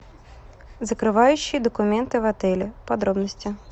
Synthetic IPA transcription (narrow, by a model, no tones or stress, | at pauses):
zɐkɾɪʋɑjʊt͡ʃːid̪ɔkʊmɛnt̪ɪʋɐt̪ɪlʲipɔd̪ɾɔbnɔsʲtʲi